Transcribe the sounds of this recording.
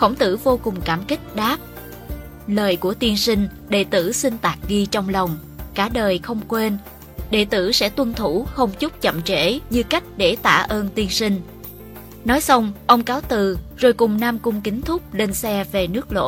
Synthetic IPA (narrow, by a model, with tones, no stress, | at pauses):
xə˧˩wŋ͡mt̪ɨ̰˧˩vo˧kʊ˨˩ŋ͡mkaː˧˩mkï˦˥k̟̚ɗaː˦˥p̚ | ləː˨˩jku˧˩ət̪i˧ənsï˧ŋ̟ | ɗe˧˩t̪ɨ̰˧˩sï˧ŋ̟t̪aː˨˩k̚ɣi˧t͡ɕɔ˧wŋ͡mlə˨˩wŋ͡m | kaː˧˩ɗəː˨˩jxə˧wŋ͡mkwe˧n | ɗe˧˩t̪ɨ̰˧˩sɛ̰˧˥t̪wə˧nt̪ʰu˧˩xə˧wŋ͡mt͡ɕʊ˦˥k͡p̚t͡ɕə̰˧˨mt͡ɕḛ˧˩˥ɲɨ˧ka˦˥jk̟̚ɗe˧˩t̪a̰ː˧˨ʔəː˧nt̪i˧ənsï˧ŋ̟ | nɔ˨˦jsa˧wŋ͡mʔə˧wŋ͡mkaː˨˦wt̪ɨ˨˩zo˨˩jkʊ˨˩ŋ͡mnaː˧mkʊ˧ŋ͡mkï˨˦ŋ̟t̪ʰʊ˦˥k͡p̚le˧nsɛ˧ve˨˩nɨ˦˥ək̚lo̰˧˥